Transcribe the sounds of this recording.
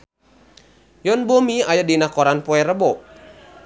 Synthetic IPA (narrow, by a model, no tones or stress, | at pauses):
jɔnbomiajadinakɔɾanpɔɛɾəbɔ